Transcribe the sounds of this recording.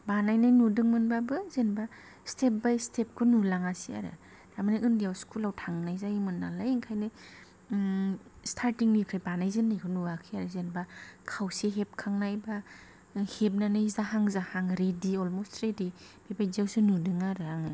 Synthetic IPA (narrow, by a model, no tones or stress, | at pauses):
banajnajnudɯŋmɯnbabɯzenba | stʰep̚bajstʰep̚kʰunulaŋasia̰ɾɯ̰ | damanɯɯndijawskʰulawtʰaŋnajzajimɯnːalajiŋkʰajnɯj | stʰaɾtiŋnikʰajbanajzɯnːajkʰɔnuakʰiaɾɯzenbakʰawseɦep̚kʰaŋnajba | hep̚nanɯjzaɦaŋzahaŋɾediɔlmostɾedi | b̥ebajzawsɯnudɯŋaɾɯaŋɯ